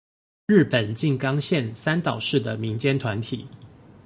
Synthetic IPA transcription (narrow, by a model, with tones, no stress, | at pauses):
ɻ̩˥˩pə˨˩nt͡ɕi˥˨ŋkɑ˥˦ŋɕjɛ˥˨nsa˦nt̪ɑ˨˩ʊʂɻ̩˥˩d̪ə˩mi˨˦ŋt͡ɕjɛ˦nt̪ʰwa˧˦nt̪ʰḭ˨˩˦